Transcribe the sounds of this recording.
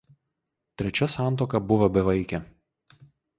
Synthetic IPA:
t̪ʲɾʲɛt͡ʃʲɛsɑˑnt̪̬oːkɐbʊʋɐbʲɛʋɐɪkʲɛ

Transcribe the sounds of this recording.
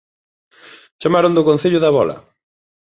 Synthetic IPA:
t͡ʃamaɾʊnd̪ʊkõn̟θeʎʊðaβɔlɐ̰

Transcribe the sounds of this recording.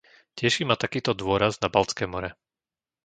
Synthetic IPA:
cɪɛʃiːmat̪akiːt̪ɔd̪ʋʊɔɾaznabalt͡skɛːmɔɾɛ

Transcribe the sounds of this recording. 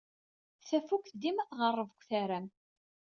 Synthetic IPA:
θæfukθd̪imæθʁərˤːəvəkʷːθæɾæm

